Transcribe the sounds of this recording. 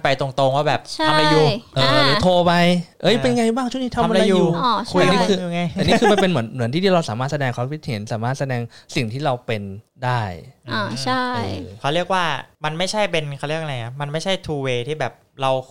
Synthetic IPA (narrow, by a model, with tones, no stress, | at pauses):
pa˧jt̪o˧ŋt̪o˧ŋwaː˥˩bɛː˨˩p̚t͡ɕʰaa˧˥mla˧juː˨˩ʔɤː˧˩ɾɯː˨˦t̪ʰoː˧pa˧jʔɤ˦˥˩jpe˧nŋa˧jbaː˥˩ŋt͡ɕʰu˥˩˨ni˦˥t̪ʰa˧ma˧la˧juuː˨˧˩ɔ˧˩kʰːniː˦˥kɯ˧uː˨˩ŋa˧jɛː˨˩niː˥˧˩kɯː˧ma˧˩pe˧nmɯ˩˦nmɯ˨˩˦nt̪ʰiː˥˩iː˥˩ɾa˧wsaː˩˦maː˥˩t̪sa˧dɛː˧ŋkʰɔ˧˦˥kʰwʰi˦˥t̪̚heː˩˦nsaː˩˦maː˥˩t̪̚sa˧dɛː˧ŋsi˨˩ŋt̪ʰiː˥˩ɾa˧wpe˧ndaː˥˩jɔ˧˩t͡ɕʰa˥˩ɤjkʰa˧˩wɾi˥˩ək̚waː˥˩ma˧nma˥˩jt͡ɕʰa˥˩jpe˧nkʰa˧˥˩wɾi˥˩ək̚a˧jŋa˦˥ma˧nma˥˩jt͡ɕʰa˥˩jt̪ʰuː˧weː˧t̪ʰiː˥˩bɛː˨˩p̚ɾa˧w